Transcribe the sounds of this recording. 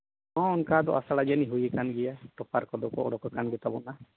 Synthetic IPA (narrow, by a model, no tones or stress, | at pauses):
ɔ̃ɔnkad̪ɔʔasaɽad͡ʒaniɦujɛkanɡɛjaʈ̪ɔpaɾkɔd̪ɔkɔɔɽɔkɔkanɡɛt̪abɔna